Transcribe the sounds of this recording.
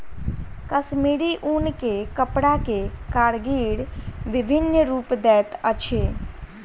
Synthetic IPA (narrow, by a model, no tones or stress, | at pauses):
kəsmiːɽiʔunkekəpɽakekaːɽɡiːɽʋɪbʱɪnɾuːpd̪ɛːt̪ət͡ʃʰeː